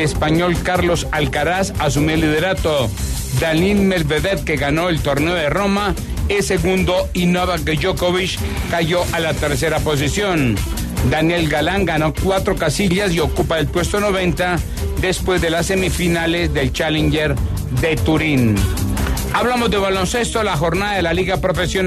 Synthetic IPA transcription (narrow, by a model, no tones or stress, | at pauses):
espaɲo̞lkaɾlo̞salkaɾasas̬umolːið̞eɾat̪o | d̪alinmelβeðeðke̞ɣano̞elt̪o̞ɾneoðero̞ma | ese̞ɣund̪o̞inoaβakeʝokoβit͡ʃ | kaʝo̞ʔalat̪e̞ɾse̞ɾapo̞s̬isjo̞n | d̪anje̞lɡalaŋɡano̞kwat̪ɾo̞kasiʎas̬io̞kupaðelpwe̞st̪ono̞βe̞nt̪a | ðe̞spwe̞zðe̞lasːe̞mifinale̞zd̪e̞lt͡ʃalend͡ʒeɾ | ðe̞t̪uɾin | aβlamo̞zðe̞βalo̞nse̞st̪o̞laxo̞ɾnaðaðelaliɣapɾo̞fe̞sjon